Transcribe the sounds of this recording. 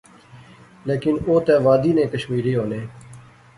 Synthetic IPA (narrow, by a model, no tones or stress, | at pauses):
leːkɪnoːt̪ɛːʋaːd̪iːnẽːkəʃmiːɾiːɦoːnẽː